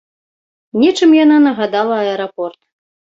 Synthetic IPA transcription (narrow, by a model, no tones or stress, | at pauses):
nʲɛt͡ʂɨmjananɐɣad̪alˠɐɐɛɾapɔrt̪